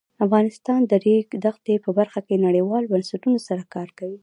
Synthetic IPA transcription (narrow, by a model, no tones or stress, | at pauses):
afɣɑnɪst̪ɑnd̪əɾeɡd̪axt̪epəbaɾxakenaɽejwɑlbansaʈunosaɾakɑɾkawi